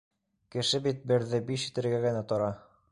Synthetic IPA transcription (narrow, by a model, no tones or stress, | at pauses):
kɘ̆ʃɘbit̪̚bɘ̆ɾðɘbiʃi̥t̪ɘ̆ɾɡæɡɘ̆næt̪ɤ̆ɾɑ